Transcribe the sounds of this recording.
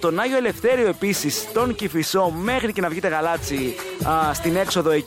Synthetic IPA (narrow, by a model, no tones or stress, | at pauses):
t̪o̞nɐʝo̞ele̞fθe̞ɾioe̞pisist̪o̞ŋcifiso̞me̞xɾice̞nɐvʝit̪e̞ɣɐlɐt͡si | st̪ine̞kso̞ðo̞e